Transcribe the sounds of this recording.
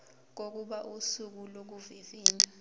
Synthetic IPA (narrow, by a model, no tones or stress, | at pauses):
k̬ok̬uɓaʔusuk̬ulok̬uviviːndʱa